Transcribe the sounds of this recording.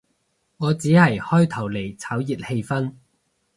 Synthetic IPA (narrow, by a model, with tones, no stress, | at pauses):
ŋɔː˨˧t͡siː˨˥hɐ˨˩jhɔː˥jt̪ʰɐ˨˩wle˨˩jt͡sʰaː˨˥wjiː˨˩t̚he˧jfɐ˥n